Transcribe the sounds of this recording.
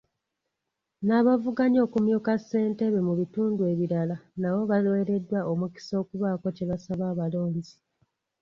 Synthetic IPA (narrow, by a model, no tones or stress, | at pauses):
naβavuɡaɲo̞ːkumjuːkasːe̞ːnte̞βemuβituːndue̞ːβiɾalanaβo̞βalwe̞ːɾe̞dːwaʔomuki̥so̞ːkuβaːko̞ceβasaβaːβalo̞ːɲzi